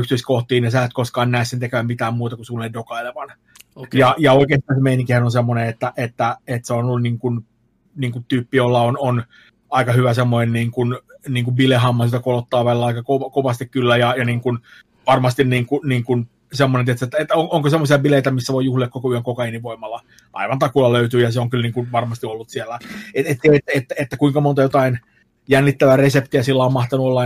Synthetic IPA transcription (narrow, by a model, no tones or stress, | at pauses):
ykst̪yiskoht̪iːnjɑsæːt̪koskɑːnnæesːent̪ekæʋæmmit̪æːmmuːt̪ɑkusuːoedokɑileʋɑn | jɑjɑoikeːst̪ɑːnsemeiniŋkihænonsemːoneet̪ːæʔet̪ːæet̪seonolːuniːŋkun | niːŋkut̪yːpːijolːɑonon | ɑikɑhyʋæsemːonenniːŋkunniːŋkubilehɑmːɑsilt̪ækolot̪ːɑːʋælːæɑikɑkoʋkoʋɑst̪ikkylːæjɑjɑniːŋkun | ʋɑrmɑst̪inniːŋkuniːŋkun | semːonent̪iet̪set̪ːæet̪ːoŋʔoŋkosemːosiɑbileit̪æmisːæʋoijuhliɑkokoyøŋkokɑeniʋoimɑlːɑ | ʔɑ̰iʋɑnt̪ɑkulːɑløyt̪yːjɑseoŋkylniːŋkunʋɑrmɑst̪iolːut̪sielːæeet̪ːeiet̪ːæet̪ːæet̪ːækuiŋkɑmont̪ɑjot̪ɑin | jænːit̪ːæʋæresept̪iæsilːæommɑht̪ɑnuolːɑ